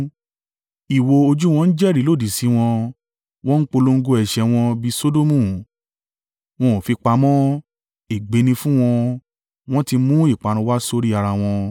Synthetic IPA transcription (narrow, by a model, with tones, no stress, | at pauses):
i˨wo˧o˧d͡ʒu˦w̃ɔ̃˧n̩˦d͡ʒɛ˦˨ɾi˨˦lo˦˨di˨si˨˦w̃ɔ̃˧ | w̃ɔ̃˦n̩˦k͡po˧lo˧ŋ̩˦ɡo˧ɛ˨ʃɛ˧w̃ɔ̃˧bi˧so˦do˦mũ˦˨ | w̃ɔ̃˧˨fi˧k͡pa˧mɔ̃˦ | e˨ɡ͡be˨˧˦nĩ˧fũ˦w̃ɔ̃˧ | w̃ɔ̃˦ti˧mũ˦i˦˨k͡pa˨˧ɾ̃ũ˧˦wa˦so˧ɾi˦a˧ɾa˧w̃ɔ̃˧